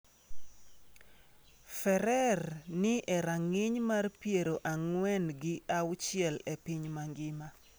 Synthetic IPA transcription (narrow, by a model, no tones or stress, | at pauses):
fɛɾɛrnɪʔɛɾaŋɪɲmarpjeɾoʔaŋwɛnɡɪʔawʊt͡ʃɪɛlɛpɪɲmaŋɡɪma